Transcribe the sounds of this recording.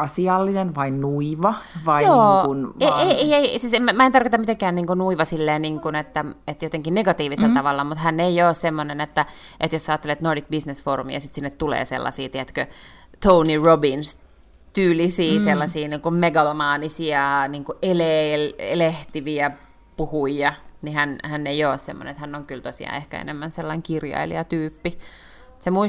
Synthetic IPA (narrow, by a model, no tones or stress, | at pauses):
ɑsiɑlːinenʋɑinnuiʋɑʋɑijoːuneeeieisiːsemmmæent̪ɑrkot̪ɑmit̪eŋkæːnniːŋkunuiʋɑsilːeːniːŋkunet̪ːæet̪jot̪eŋkinneɡɑt̪iːʋiselt̪ɑʋɑlːɑmut̪hænːeijoːssemːonenet̪ːæʔet̪josːɑːt̪ːelet̪nordik̚bisnesfoːrumḭɑ̰sit̪sinːet̪tulḛːsḛlːɑ̰sḭːt̪iæt̪kø | t̪ounirobins | t̪yːlisiːselːɑsiːniːŋkummeɡɑlomɑːnisiɑniːŋkuʔeleleleht̪iʋiæ | puhujɑnihænhænːeijoːssemːo̰n̰ḛnet̪hænːoŋkylt̪osḭɑ̰ːehkæ̰ḛnḛmːænselːɑiŋkirjɑ̰ilḭɑt̪yːpːi | semuis